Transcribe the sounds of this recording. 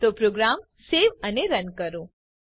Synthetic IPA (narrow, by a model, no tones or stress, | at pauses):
t̪opɾoɡɾam | seʋəneɾənkəɾõ